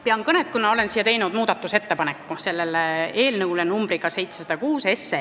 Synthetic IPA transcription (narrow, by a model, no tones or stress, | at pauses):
piɑŋkɤnet̪̚kunːɑo̞le̞nsijːɑt̪e̞jnud̪̥muːd̪̥ɑt̪ːˑuse̞t̪ːe̞pɑnekːˑuse̞lːelee̞ːlnɤwlenumbɾiɡ̥ɑse̞jt̪sesɑd̪̥ɑkuːse̞sːe